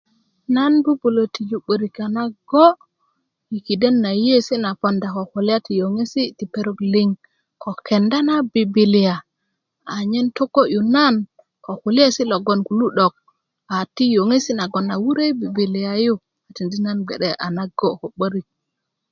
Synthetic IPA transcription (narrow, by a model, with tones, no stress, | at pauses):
na˦nbu˦bu˨lo˨ti˨d͡ʒu˨ɓə˨ɾi˨ka˨na˦ɡo˦ | i˨ki˨de˦nːa˨je˦si˦na˨po˨nda˨ko˨ku˨li˦a˦ti˨jo˨ŋe˦si˦ti˨pe˨ɾo˦˨kli˦ŋ | ko˨ke˨nda˦na˦bi˨bi˨li˨a˨ | a˨ɲe˦nto˦ko˦ju˨na˦n | ko˨ku˨li˦e˦si˦lo˨ɡo˨nku˨lu˦ɗo˨k̚ | a˨ti˦jo˨ŋe˦si˦na˨ɡo˨na˨wu˦ɾe˦bi˨bi˨li˨ja˨ju˦ | a˨ti˨ndi˦na˦nɡḛ˨ɗe˦ʔa̰˨na˦ɡo˦ko˨ɓə˦ɾi˨k̚